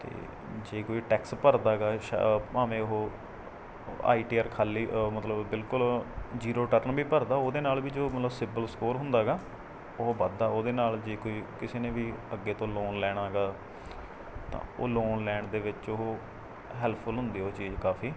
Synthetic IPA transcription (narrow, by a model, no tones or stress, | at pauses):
t̪ḛː | d͡ʒeːkoːiːʈɛːkspəɾd̪aːɡaːʃaːʋẽːʊɦoː | a̰ːiːʈiːəːɾkʰaːliːmət̪ləbːɪlkʊld͡ʒiːɾoːʈəɾnbiːpəɾd̪aːoːd̪eːnaːlbiːd͡ʒoːmət̪ləbsɪbəlskoːɾɦʊ̃nd̪aːɦɡaː | ʊɦoːbəd̪aːoːd̪eːnaːld͡ʒeːkoːiːkɪseːnẽːʋiːəɡːeːt̪õːloːnlɛːɽ̃aːɦɡaː | t̪ã̰ːo̰ːloːnlɛːɳɖd̪eːʋɪt͡ʃʊɦoː | ɦɛːlpʰəlɦʊ̃nd̪iːɦoːt͡ʃiːd͡ʒkaːpʰiː